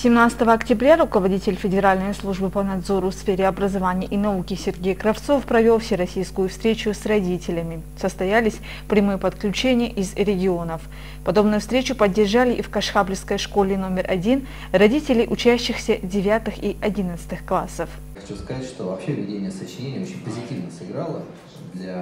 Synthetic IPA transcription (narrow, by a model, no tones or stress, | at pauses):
sʲɪmnat̪sɨ̥t̪əvəɐktʲɪbɾʲaɾʊkəvɐdʲitʲɪlʲfʲɪdʲɪɾalʲnəjslˠuʐbɨpənɐd̪zo̞ɾʊfsfʲeɾʲɪɐbɾəzɐvanʲɪjʔinɐukʲɪsʲɪrɡʲejkɾɐft̪so̞fpɾɐvʲe̞lˠfsʲɪɾɐsʲijskʊjʊfst̪ɾʲet͡ɕʊsrɐdʲitʲɪlʲɪmʲɪ | səst̪ɐjalʲɪsʲ | pɾʲɪmɨjəpət̪klʲʉt͡ɕenʲɪjəʔɪzɾʲɪɡʲɪo̞nəf | pɐd̪o̞bnʊjʊfst̪ɾʲet͡ɕʊpədʲːɪrʐalʲɪʔifkɐʂxablʲɪfskəjʂko̞lʲɪno̞mʲɪrʔɐ̰dʲin | rɐdʲitʲɪlʲɪjʔʊt͡ɕæɕːɪxsʲədʲɪvʲat̪ɨxiʔɐdʲinət̪sɨ̥t̪ɨxklˠasəf | xɐt͡ɕuskɐzatʲʂt̪ovɐpɕevʲɪdʲenʲɪjəsət͡ɕɪnʲenʲɪjəot͡ɕːɪnʲpəzʲɪtʲivnəsɨɡɾalˠə | d̪lʲa